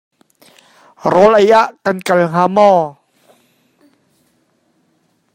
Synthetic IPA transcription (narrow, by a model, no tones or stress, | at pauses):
ɾɔlʔajaʔkankalɦamɔː